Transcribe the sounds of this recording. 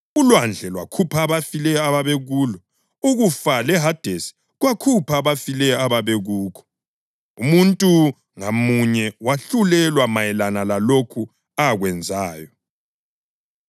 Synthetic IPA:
ulwand͡ɮʱɛlwakʰupʰaβafilɛjɔaβaβɛɣuːlɔ | uɣufalɛɦad̥ʱesi̥ | ɣwakʰupʰaβafilɛjɔaβaβɛɣuːkʰɔ̥ | umuntʼu | ŋamuɲɛwaɬulɛlwamajɛlanalalokʰu | aɣwɛnd͡zʱaːjɔ

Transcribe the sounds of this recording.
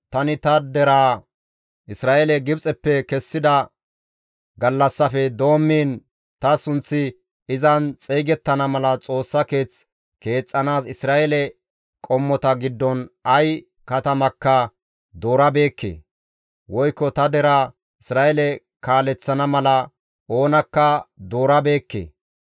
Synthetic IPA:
t̪ɐnɪt̪ɐd̪ɛɾaː | ʔɪsɾaːʔɛlɛɡɪbt͡sʼɛpːɛkɛsːɪd̪ɐ | ɡɐlːɐsːɐfɛd̪o̞ːmːiːn | t̪ɐsʊnt͡sːɪ | ɪzɐnt͡sʼejɡɛt̪ːɐnɐmɐlɐt͡sʼo̞ːsːɐke̞ːt͡s | ke̞ːt͡sʼːɐnaːsɪsɾaːʔɛlɛ | kʼɔmːɔt̪ɐɡɪd̪ːɔnɐj | kɐt̪ɐmɐkːɐ | d̪o̞ːɾɐbe̞ːkːḛː | wɔjkːɔt̪ɐd̪ɛɾɐ | ɪsɾaːʔɛlɛ | kaːlɛt͡sːɐnɐmɐlɐ | ʔo̞ːnɐkːɐd̪o̞ːɾɐbe̞ːkːḛː

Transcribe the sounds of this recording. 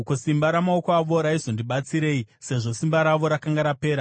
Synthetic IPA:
kosimbaɾamaokoaʋo̞ɾaizo̞ndiɓat͡siɾe̞ːise̞ʐo̞simbaɾaʋo̞ɾakaŋɡaɾape̞ːɾa

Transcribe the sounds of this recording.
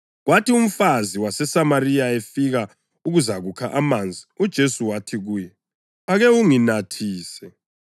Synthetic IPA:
ɣwatʰium̩faziwasɛsamarijaefiɣa | uɣuzaɣukʰaʔamand͡zʱiud̥ʒ̥ʱesuwatʰiɣuːjɛ | aɣɛuŋinatʰiːsɛ

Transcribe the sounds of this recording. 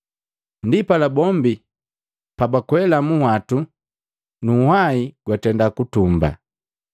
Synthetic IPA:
ndipalabɔmbi | pabakwɛlamuhwatu | nuhaiɡ̥watɛndakutumba̰

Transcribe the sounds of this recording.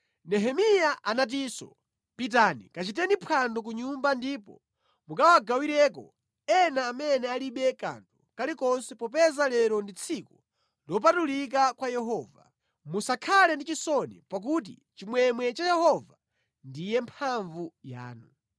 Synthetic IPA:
nɛɦɛmijaʔanat̬iːsɔ̰ | pit̬anḭkat͡ʃit̬ɛnipʰwandɔk̬uɲumbandipɔ̰ | mukawaɡawiɾɛk̬ɔ̰ | ɛnaːmɛnɛaliɓɛka̰ntʰukalikɔnsɛpɔp̬ɛzalɛɾɔndit͡sʰiku | lɔp̬atulik̬akwajɛɦɔva̰ | musakʰalɛndit͡ʃisɔnḭpak̬ut̬ḭt͡ʃimwɛmwɛt͡ʃajɛhɔva | ndijɛmpʰaɱvuja̰ːnu

